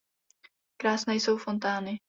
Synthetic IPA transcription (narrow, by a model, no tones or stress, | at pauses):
kɾaːsnɛːjso̞wfo̞nt̪aːnɪ